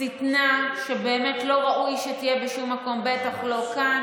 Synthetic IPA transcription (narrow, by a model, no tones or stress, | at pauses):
itnaʃe̞beːme̞tlo̞ʁaʔujʃet̪ijebeʃumːako̞mbe̞taχlo̞ka